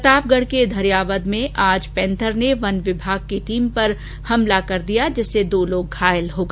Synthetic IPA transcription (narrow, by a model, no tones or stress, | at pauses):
kɐt̪aːb̚ɡəɽ̤ked̪ʱɐɾijaːʋəd̪mẽʔaːd͡ʒpɛ̃ːnt̪ʰəɾneʋɐnʋɪbʱaːɡ̚keʈiːmpɐɾ | hɐmlakɐɾd̪ijad͡ʒɛsed̪oːloːɡːʱaːjəlɦoːɡaː